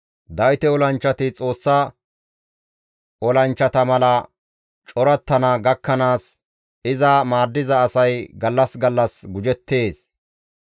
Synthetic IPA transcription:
d̪ɐjt̪ɛɔlɐnt͡ʃːɐt̪ɪt͡sʼo̞ːsːɐ | ɔlɐnt͡ʃːɐt̪ɐmɐlɐ | t͡ʃʼɔɾɐt̪ːɐnɐɡɐkːɐnaːs | ɪzɐmaːd̪ːɪzɐːsɐjɡɐlːɐsɡɐlːɐsɡʊd͡ʒɛt̪ːe̞ːs

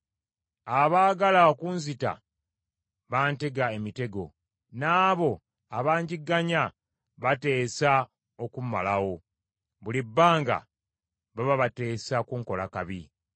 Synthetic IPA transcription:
aβaːɡalaokunzita̰ | βaːnte̞ɡae̞mite̞ɡo̞̰ | naːβo̞ | aβaːɲɟiɡːaɲa | βate̞ːsa | okuma̰lawo̞ | βulibːaːŋɡa̰ | βaβaβate̞ːsakuŋko̞lakaβi

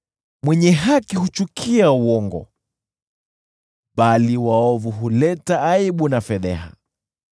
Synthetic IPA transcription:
mwɛɲɛɦakihut͡ʃukʰiauɔŋɡɔ̰ | ɓaliwaɔvuɦulɛtaːiɓunafɛðɛ̰ɦa̰

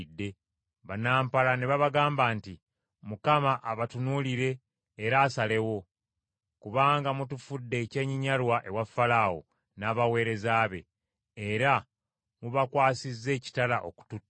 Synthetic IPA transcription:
dːe̞ | βanaːmpalane̞βaβaɡaːmbaːnti | mukamaʔaβatunuːliɾe̞ː | ɾaːsale̞wo̞ | kuβaːŋɡamutufudːe̞ːce̞ːɲiɲalwaʔe̞wafːalawo̰ | naːβawe̞ːɾe̞zaːβe̞̰ː | ɾa | muβakwaːsizːe̞ːci̥talaʔo̞̰ku̥tutː

